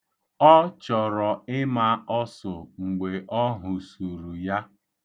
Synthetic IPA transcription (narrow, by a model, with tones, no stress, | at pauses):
ɔ˦t͡ʃɔ˨ɾɔ˨ɪ˦ma˦ɔ˦sʊ˨ŋ͡m̩˨ɡ͡be˨ʔɔ˦ɦʊ˨su˨ɾu˨ja˦